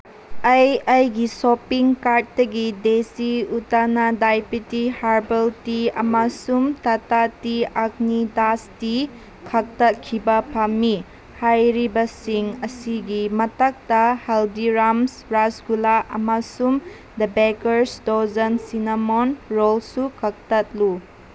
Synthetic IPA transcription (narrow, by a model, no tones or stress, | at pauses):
ɐjɐjɡisɔpiŋkaɾt̚dɐɡidesiutanɐdajpitihaɾbɐltiɐmasumtatatiak̚nidasti | kʰak̚tɐkʰːibɐpʰamːi | hajɾibɐsiŋɐsiɡimɐtak̚tɐhaldiɾamsɾasɡulaʔɐmasum | dɐbekɐɾsdozɐnsinamonɾolsukʰɐk̚tɐt̚lu